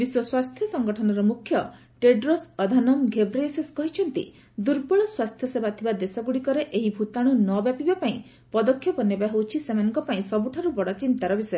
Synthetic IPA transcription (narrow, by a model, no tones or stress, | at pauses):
biswɔswast̪ʰjɔsɔŋɡɔʈʰɔnɔɾɔmukʰjɔ | ʈeɖɾosɔd̪ʱanɔmɡʱebɾeseskɔɦit͡ʃʰɔnt̪ḭ | d̪uɾbɔɭɔswast̪ʰjɔsebat̪ʰibad̪esɔɡuɽikɔɾeʔeɦibʱut̪aɽ̃unɔbjapibapaĩ | pɔd̪ɔkʰːjɔpɔnebaɦewt͡ʃʰisemanɔŋkɔpaĩsɔbuʈʰaɾubɔɽɔt͡ʃint̪aɾɔbisɔ